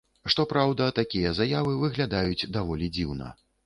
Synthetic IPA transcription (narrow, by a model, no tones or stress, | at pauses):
ʂt̪ɔpɾawd̪ɐt̪akʲijɐzajavɨvɨɣlʲad̪ajud͡zʲd̪avɔlʲid͡zʲiwnɐ̰